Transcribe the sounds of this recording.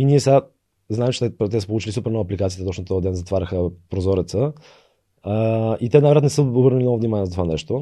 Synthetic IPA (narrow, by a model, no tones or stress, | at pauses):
iniɛs | znaɛmt͡ʃɛ̥t̪ɛt̪ɛsə̥polˠut͡ʃilisupɛɾnɔvəːplikat̪it̪ɛt̪ɔt͡ʃnot̪ɔəd̪ɛnzɐt̪vaɾʲɐxəpɾozɔɾɛt̪sə | it̪ɛnavɾat̪nɛsəobəɾnəlinɔvʊvnimanʲiɛzt̪ovanɛ̰ʃt̪o